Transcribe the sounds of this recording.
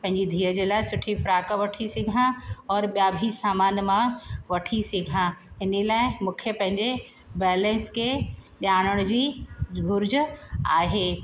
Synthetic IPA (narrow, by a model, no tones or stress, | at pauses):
pɐ̃ɦɪ̃ɲd͡ʑid̪ʱiːəd͡ʑeːlaːɪsʊʈʰifɾaːkəʋɐʈʰisɪɡʱãɔːɾɓjaːbʱisaːmaːnmãʋɐʈʰisɪɡʱãɪnilaːɪmʊ̃kʰjəpɐ̃ɦɪ̃ɲd͡ʑe | bɛːlẽnskeɗaːɽ̃əɽ̃d͡ʑiːʊɾd͡ʑəa̰ːɦeː